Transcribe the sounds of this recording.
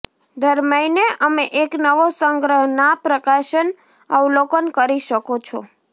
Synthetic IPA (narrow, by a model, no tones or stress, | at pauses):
d̪ʱəɾməineʔəmeʔeknəʋosəŋɡɾəɦnapɾəkaʃən | əʋlokənkəɾiʃəkot͡ʃʰo̰